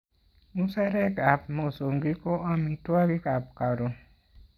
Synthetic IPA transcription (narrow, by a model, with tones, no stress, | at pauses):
mu˦sɛ˦ɾe˦ka˨p̚mo˨so˨ŋɡi˦ko˦a˦mi˨twa˦βi˦ka˨p̚ka˨ɾo˨